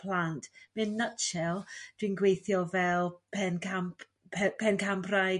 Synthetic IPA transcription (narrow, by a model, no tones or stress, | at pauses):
pʰlˠantʰmɛnːət͡ʃɛlˠd̥winɡwejθjɔvɛlˠpʰɛnkʰampʰ | pʰɛnkʰampʰraj